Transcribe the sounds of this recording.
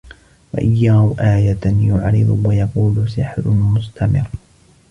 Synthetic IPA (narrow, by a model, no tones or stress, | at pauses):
wa̰ʔɪjːaːhʊʔaːjat̪jʊʕɾɪ̰d̪ˤʊwajɑquːlʊs̬ɪħlʊmʊst̪amɪ̰ɾ